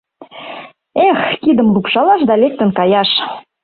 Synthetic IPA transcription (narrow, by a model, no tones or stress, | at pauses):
exkid̪ə̆mlupʃɑlɑʃd̪ɑlek̚t̪ə̆nkɑjɑʃ